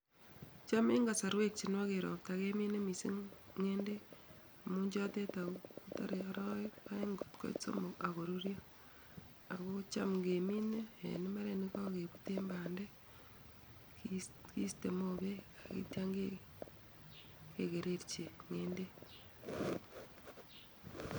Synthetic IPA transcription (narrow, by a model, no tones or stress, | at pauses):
t͡ʃameŋɡasaɾwek̚t͡ʃinwakeɾo̰p̚takeminemisiŋende | amuɲd͡ʒotetaokutaɾeaɾoaeŋɡotko̰it͡so̰moaɣoɾuɾjo | aɣot͡ʃamŋɡemineḛnimaɾenikakeβuteːmbaːnde | kistemoβeaɣḭtjaŋɡe | keɣeɾeɾt͡ʃeŋeːnde